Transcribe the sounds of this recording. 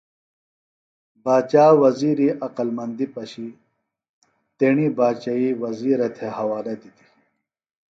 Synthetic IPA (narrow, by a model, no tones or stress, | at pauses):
baːt͡ɕaːwɐziːɾiʔɐqɐlmɐnd̪ipɐɕi | t̪eɳibaːt͡ɕaiwɐziːɾet̪ʰehɐwaːɾed̪it̪i̥